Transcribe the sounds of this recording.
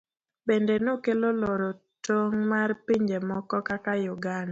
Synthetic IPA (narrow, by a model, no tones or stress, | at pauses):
bendenokeloloɾo | toŋmarpiɲd͡ʒemɔkɔkakajʊɡan